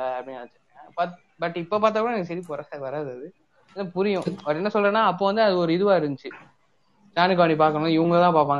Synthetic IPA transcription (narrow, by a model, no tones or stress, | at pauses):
ɐpɐɽɪiaːt͡ʃːɯ | ɐba | bɐʈːɪpːoːpaːɾt̪apːɔɽɐniːŋɐsɐɾipɔɾɐsakʋɐɾaːðɯɐðɯ | napʊɾɪjʊ̃ɐɾɛnːɐsɔlːɐnːaːɐpːoːʋɐnd̪ɯɐðɯɔɾɯɪðɯʋaːɪɾɯnd͡ʒɯt͡ʃːɯ | d͡ʒaːnɯkːaːʋɐɳipaːɾkɐɳʊ̃ɪʋɐŋɡɐɭt̪ãːpaːɾp̬ːaːŋɡ